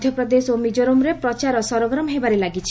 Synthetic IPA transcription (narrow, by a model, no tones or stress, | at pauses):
d̪ʱjɔpɾɔd̪esomid͡ʒoɾomɾepɾɔt͡ʃaɾɔsɔɾɔɡɾɔmɔɦebaɾelaɡit͡ʃʰi̥